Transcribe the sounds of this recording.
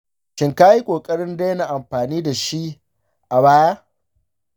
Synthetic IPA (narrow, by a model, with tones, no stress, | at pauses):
ʃɪ˨ŋkaː˦ji˦kʷʼoː˨kʼɐ˦ɽɪ˦ndeː˦na˨ʔa˨mɸaː˨niː˦da˨ʃi˦ʔ | ʔa˨baː˦jaː˦